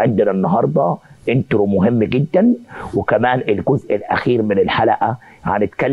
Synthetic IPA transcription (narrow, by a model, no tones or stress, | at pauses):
ʕɪnd̪ɪnænːɑɦɑɾˤd̪ˤɑʔɪnt̪ɾumʊɦɪmːɡɪd̪ːænwɪkæmæːnʔɪlɡʊzʔɪlʔæ̰xiːɾmɪnɪlħalæʔæ | ʕanɪt̪kalː